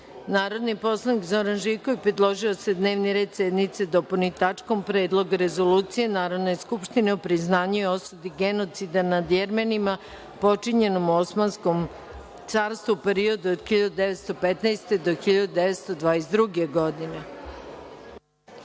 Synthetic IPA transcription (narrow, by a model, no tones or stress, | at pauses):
naːɾo̞d̪nipo̞slˠanikzo̞ɾanʒiko̞ʋipɾed̪lˠo̞ʒio̞se̞d̪ne̞ːʋniɾed̪sed̪nit̪sed̪opolnit̪at͡ʂko̞mpɾe̞ːd̪lˠo̞ɡaɾe̞zo̞luːt̪sije̞naːɾo̞d̪ne̞skupʃt̪ineopɾiznaːɲujeosud̪iɡe̞no̞t̪sid̪anad̪jeɾmenima | po̞t͡ʂiɲe̞no̞muosmanskom | t̪saːɾst̪ʋupeɾio̞d̪uod̪xiʎad̪ud̪eʋe̞t̪st̪o̞pet̪najst̪e̞d̪o̞xiʎad̪ud̪eʋet̪st̪o̞d̪ʋaːesd̪ɾuɡeɡo̞d̪ine